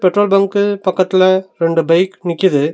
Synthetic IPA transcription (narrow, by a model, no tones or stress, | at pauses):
pɛʈrɾoːlbɐŋkɯpɐkːɐt̪ːɪlɐɾɛɳɖɯbɐɪknɪkːɪɐðɯ